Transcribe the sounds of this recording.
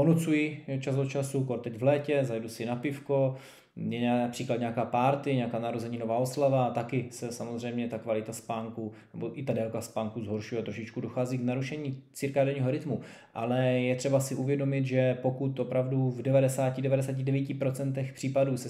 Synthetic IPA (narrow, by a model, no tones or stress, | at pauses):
ponut͡sujɪɛt͡ʃazot͡ʃasukoɾt̪ɛɟvlɛːcɛzajdusɪnapɪfko | ɛɲaapr̥iːklat̪ɲakaːpaːɾt̪ɪɲɛakaːnaɦɾozɛɲiːnovaːoslavat̪akɪsɛsamozr̝ɛjmɲɛt̪akvalɪt̪aspaːŋkunɛboʔɪt̪adɛlkaspaːŋkuzɦo̞ɾʃujɛt̪ɾoʃɪt͡ʃkudoxaːziːknaɾuʃɛɲiːt͡sɪɾkaːdɛɲiːɦo̞ɾɪt̪mu | ʔa̰lɛjɛt̪r̥ɛbasɪʔuvjɛdo̞mɪt̪ʒɛpo̞kut̪ʔopɾavduvdɛvadɛsaːcɪdɛvadɛsaːc̬ɪdɛviːcɪpɾo̞t͡sɛnt̪ɛxpr̥iːpaduːsɛ